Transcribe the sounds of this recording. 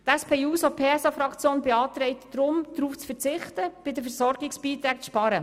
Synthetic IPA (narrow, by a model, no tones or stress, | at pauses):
t̪ɛspʰeːuːsopʰeːɛsɑfɾɑkʰt͡sjoːnbɛɑːt̪ɾɛɪt̪d̥ɾʊmd̥̪ɾuːft͡sfəɾt͡sɪχtəb̥ɪdəfəɾsɔɾɡɪksb̥iːt̪ɾæːk̚t͡sʃpɑɾə